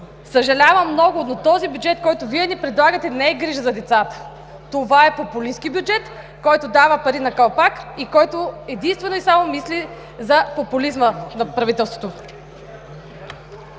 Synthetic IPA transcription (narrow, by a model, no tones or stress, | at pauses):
səʒɐlʲavəmːnɔɡʊnot̪ɔzibjud͡ʒɛt̪kɔjt̪ʊviɛnipɾɛd̪lˠaɡət̪ɛnɛɛɡɾiʒəzɐd̪ɛt̪sat̪ə̥ | t̪ovaɛpopʊlisk̟ibjud͡ʒɛt̪ | kɔjt̪od̪avəpɐɾinɐkɐlˠpakikɔjt̪oɛd̪inst̪vɛnoisamomisli | zɐpopʊlizmənɐpɾɐvit̪ɛlˠst̪vo̥t̪o